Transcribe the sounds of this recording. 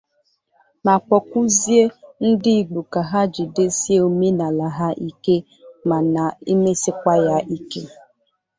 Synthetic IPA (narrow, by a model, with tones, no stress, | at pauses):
na˨k͡pɔ˨kʷu˦zi˦e˦n̩˦dɪ˦i˨ɡ͡bu˨ka˨ɦa˦d͡ʒi˨de˦si˦e˦o˨me˦na˨la˨ɦa˦ʔi˦ke˦ | ma˨na˨i˦me˦sɪ˦kʷa˦ja˦ʔi˦ke˦